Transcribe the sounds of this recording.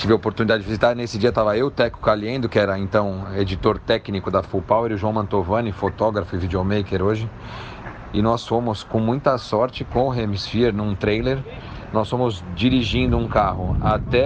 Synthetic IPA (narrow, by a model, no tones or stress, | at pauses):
t͡ʃivɪɐopoɾt̪unid̪ad͡ʒɪd͡ʒɪvizit̪aɾnesɪd͡ʒiɐt̪avɐewt̪ɛkʊ̥kaliẽd̪ʊkɪɛɾɐẽnt̪ɐ̃w̃ed͡ʒit̪oɾt̪ɛknikʊd̪ɐfupawɛɾʊʒuɐ̃w̃mɐ̃nt̪ovɐ̃nɪfot̪ɔɡɾɐfʊɪvid͡ʒomejkeɾoʒɪ | ɪnɔsfõmʊskõmũj̃t̪ɐsɔɾt͡ʃɪkõʊɦẽmisfieɾnũt̪ɾejleɾ | nɔsfõmʊzd͡ʒiɾiʒĩnd̪ʊũkaɦʊat̪ɛ